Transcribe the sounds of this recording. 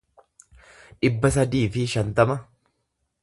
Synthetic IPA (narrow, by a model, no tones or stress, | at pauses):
ᶑɪbːɐsɐd̪iːfɪʃɐnt̪ɐmɐ